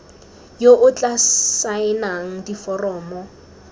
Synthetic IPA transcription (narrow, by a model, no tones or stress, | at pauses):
joʔʊt͡ɬʼasaɪnaŋ̩difɔrɔːmɔ